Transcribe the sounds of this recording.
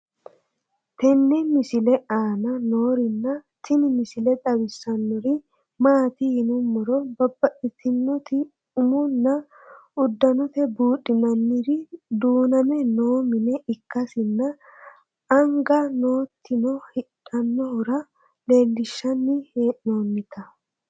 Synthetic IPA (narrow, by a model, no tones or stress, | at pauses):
t̪ɛnːɛmɪsɪlɛaːnɐno̞ːɾɪnːɐt̪ɪnɪmɪsɪlɛt̪ʼɐbɪsːɐnːɔɾɪ | maːt̪ɪhɪnʊmːɔɾɔbɐbːɐʔɪt̪ʰɪnːɔt̪ɪ | ʊmʊnːɐ | ʊd̪ːɐnɔt̪ɛbuːᶑɪmɐnːɪɾɪd̪uːnɐmɛnoːmɪnɛʔɪkːɐsɪnːɐ | ɐŋɡɐno̞ːt̪ʰːɪnɔhɪᶑɐnːɔhʊɾɐ | le̞ːlːɪʃːɐnːɪhenoːnːɪt̪ʰɐ